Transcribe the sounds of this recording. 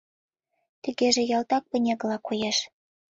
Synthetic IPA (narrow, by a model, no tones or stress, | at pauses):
t̪ə̆ɣeʒĕjɑlt̪ɑk̚pə̆nʲeɣlɑkujeʃ